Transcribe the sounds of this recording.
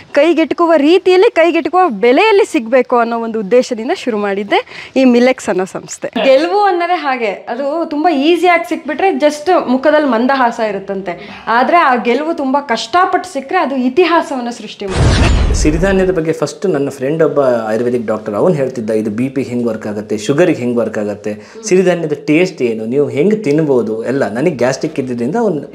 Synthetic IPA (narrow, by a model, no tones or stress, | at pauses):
kɐjɡeʈːkuʋɐɾiːt̪ijɐlːikɐjɡeʈkuʋɐbɛlɛjɐlːisiɡbe̞ːkuɐnːoːond̪uud̪ːeːʃɐd̪ind̪ɐʃuɾumaːɽid̪ːe̞iːmilːeksɐnːɐsɐmst̪ʰe̞ɡelʋuɐnːɐd̪e̞ɦaːɡe̞ɐd̪ut̪umbɐiːsijaːɡisik̚ːbiʈɾe̞d͡ʒɐsʈmukʰɐd̪ɐlːmɐnd̪ɐɦaːsɐiɾut̪ːɐnt̪e̞ | aːd̪ɐɾe̞aːɡelʋut̪umbɐkɐʂʈaːpɐʈːsikːɾe̞ɐd̪uit̪iɦaːsɐʋɐnːusɾuʂʈimaːɽieʃiɾid̪ʱaːnjɐd̪ɐbɐɡːe̞pʰɐsʈunɐnːɐpʰɾeɳɖɔbːɐːjɾʋeɖik̚ɖaːk̚ʈɐɾɐʋnɦeːɭt̪id̪ːaid̪ubiːpiɡeɦeŋɡʋɐɾkaːɡɐt̪ːeʃuɡɐɾiɡeɦeŋɡʋɐɾkaːɡɐt̪ːe̞ | ʃiɾid̪ʱaːnjɐd̪ɐʈeːsʈe̞ːnuniːʋuɦeŋɡet̪inːboːd̪uɛlːɐnɐnɐɡɡʲaːsʈikːid̪ːid̪ɾind̪ɐːʋɐnu